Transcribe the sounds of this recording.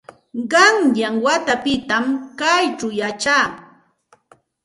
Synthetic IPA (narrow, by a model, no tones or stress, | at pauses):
ɢɑŋjaŋwat̪apɪt̪amkajt͡ʃʊjat͡ʃaː